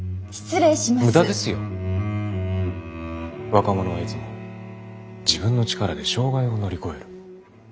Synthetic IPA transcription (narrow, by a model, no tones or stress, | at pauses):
ɕi̥t͡sɨɾeɕimamɯd̪ad̪e̞sɨjo̞ | βakamo̞no̞βait͡sɨmo̞ | d͡ʑibɯ̟̃nːo̞t͡ɕi̥kaɾad̪e̞ɕo̞ːɡaio̞no̞ɾʲiko̞e̞ɾɯ̟